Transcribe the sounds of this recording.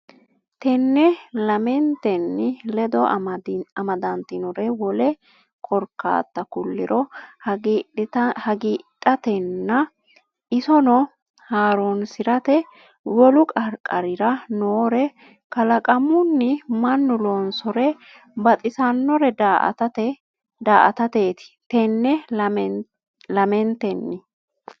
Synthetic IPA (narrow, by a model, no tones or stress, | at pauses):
t̪ɛnːɛlɐmɛnt̪ɛnːɪlɛd̪ɔ | ɐmɐd̪ɐnt̪ɪnɔɾɛwɔlɛ | kʰɔɾkːa̰ːt̪ːɐkʊlːɪ̰ɾʔɔ | hɐɡiːtʼːɐt̪ɛnːɐ | ʔɪsɔnɔ | haːɾonsɪɾɐt̪ɛ | wɔlʊkʼɐɾkʼɐɾɪɾɐnoːɾɛ | kɐlɐkʼɐmʊnːɪmɐnːʊloːnsɔɾɛ | bɐt̪ʼɪsɐnːɔɾɛdaʔt̪t | d̪aːʔɐ̰t̪ɐt̪eːt̪ɪ̥t̪ɛnːɛ | lɐmɛnt̪ɛnːɪ